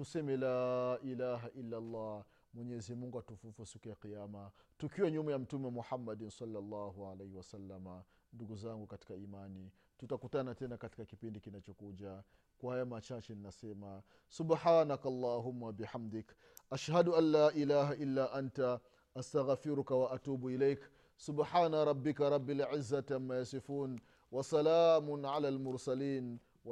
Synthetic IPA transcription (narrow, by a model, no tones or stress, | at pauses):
tusɛmɛlaːʔilaːɦaʔilːalˤːɑ | mwɛɲɛzimuŋɡuatufufusikujaqijamatukiwaɲumɛjam̩tumɛmɔħamːadnsɑlːalːaːɦuʕalehiwasalːama | nduɡuzaŋɡukati̥kaimani | tutakutanatɛnakati̥kakipindikinat͡ʃɔkuʄa | kwahajamat͡ʃat͡ʃɛninasɛma | subħaːnakalˤːɑːɦʊmːawabiħamd̪ɪk | ʔaʃhaduʔanːaːʔilaːɦaʔilːaːʔanta | ʔastaɣfiɾukawaʔatuːbuilɛjk | subħaːnaɾˤɑbːikaɾˤɑbːilʕɪzːatamːajasifuːn | wasalaːmʊnʕalaːlmʊɾsaliːn | w